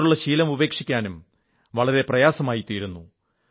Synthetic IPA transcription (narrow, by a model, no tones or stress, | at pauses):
uɭːɐɕiːlɐmube̞ːkʂikʲːaːnum | ʋɐɭɐɾe̞prɐjaːsɐmaːjit̪ːiːɾunːu